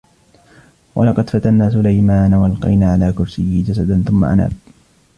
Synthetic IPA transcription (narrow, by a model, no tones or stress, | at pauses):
wʔɑ̰lɑqɑd̪fat̪anːaːsʊlajmaːnawalqɑ̰jnaːʕalaːkʊɾsɪjːid͡ʒas̬ad̪anθʊmːa̰ʔa̰na̰ːb̚